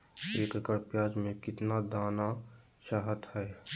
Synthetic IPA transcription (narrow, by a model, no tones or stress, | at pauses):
eːkkəɾpjaːd͡ʒmẽkɪt̪nad̪aːna | ʃaɦət̪hɛː